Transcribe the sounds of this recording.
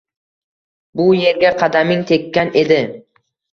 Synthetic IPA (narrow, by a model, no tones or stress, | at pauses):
bʊje̞ɾɡʲaqʰɑd̪amɪŋt̪ʰe̞kʲːane̞d̪ɪ